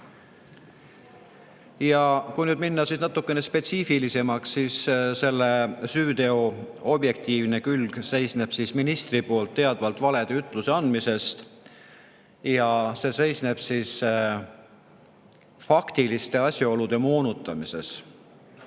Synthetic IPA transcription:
jɑkujnyːd̪̥minːɑsisnɑt̪ːˑukːene̞spe̞t̪siːfilise̞mɑksːiːsse̞lːe̞syːd̪e̞o | o̞b̥je̞k̚t̪iːvne̞kylɡ̥se̞jsne̞b̥sisminist̪ripo̞ːlt̪ːe̞ɑd̪vɑlt̪ˑvɑle̞d̪̥e̞yt̪ːˑluse̞ɑnd̪mise̞st̪ | jɑse̞ːse̞jsne̞b̥siːs | fɑkt̪ilist̪e̞ɑsʲjɑo̞lud̪̥e̞moːnut̪ːˑɑmise̞̰s

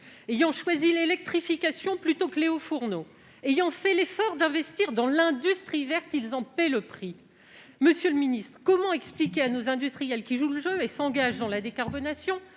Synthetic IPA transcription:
ejɑ̃ʃwazilelɛk̚t̪χifikʲasjɔ̃plyt̪okleofuʁno | ejɑ̃fɛlefɔʁd̪ɛ̃vɛst̪iʁd̪ɑ̃lɛ̃d̪yst̪χivɛʁt̪ilzɑ̃pɛləpχi | məsjøləminist̪χəkɔmɑ̃ɛksplikʲeanozɛ̃d̪yst̪χijɛlkʲiʒuləʒøesɑ̃ɡaʒd̪ɑ̃lad̪ekaʁbɔnasjɔ̃

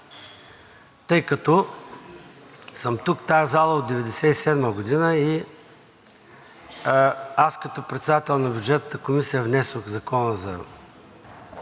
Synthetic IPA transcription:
t̪ɤjkɐt̪ɔ | səmt̪ukt̪aɛzalˠəod̪d̪ɛvɛd̪ɛsɛisɛd̪məɡʊd̪inəi | askɐt̪ɔpɾɛt̪sɛd̪at̪ɛlˠnɐbʲjud͡ʒɛt̪nət̪əkomisijəvnɛsoxzɐkɔnəzɐ̰

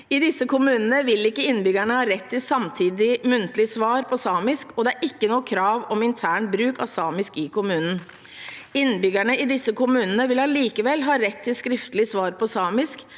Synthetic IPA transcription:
ɪd̪ɪsːəkʊmʉːnənəʋɪlɪkːəɪnːbʏɡæɳəhɑːɾɛt̪ʰːɪlsɑmt̪ʰiːd̪ɪmʉnt̪lɪsʋɑːɾpʰɔsɑːmɪskɔd̪ɛæɾʔɪkːənuːəkʰɾɑːʋɔmɪnt̪ʰæːɳ̚bɾʉːkɑsɑːmɪskɪkʰʊmʉːnən̩ | ɪnːbʏɡæɳəɪd̪ɪsːəkʊmʉːnənəʋɪlhɑːliːkəʋɛlːɦɑːɾɛt̪ʰːɪlskɾɪft̪əlɪsʋɑːɾpɔsɑːmɪsk

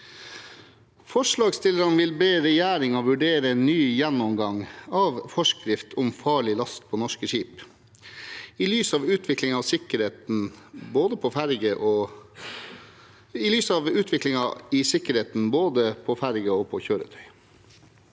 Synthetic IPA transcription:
fɔʂɭɑːɡst̪ɪləɾɑnʋɪlbeːɾɛjæːɾɪŋɔʋʉɖeːɾəɛnnyːjɛnːɔmɡɑŋɑːʋfɔʂkɾɪft̪ʰɔmfɑːɭɪlɑst̪̚pʰɔnɔʂkəʂiːp | ɪlyːsɑːʋʉːt̪ʰʋɪklɪŋɑːʋsɪkəɾheːt̪n̩boːd̪əpʰɔfæɾɡəʔɔ | ɪlyːsɑːʋʉːt̪ʰʋɪklɪŋɑɪsɪkəɾheːt̪n̩boːd̪əpʰɔfæɾɡəɔpʰɔçøːɾə̰t̪ʰœʏ

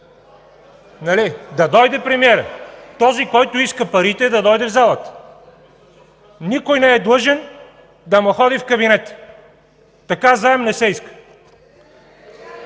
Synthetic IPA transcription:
nɐlid̪ɐd̪ɔjd̪ɛpɾɛmiɛɾət̪ɔzikɔjt̪ʊiskəpɐɾit̪ɛd̪ɐd̪ɔjd̪ɛvzalˠət̪ə̥ | nikojnɛːd̪lˠɤʒɛn | d̪ɐmoxɔd̪ifkɐbinɛt̪ | ɐkaznaɛmnɛsɛiskə̥

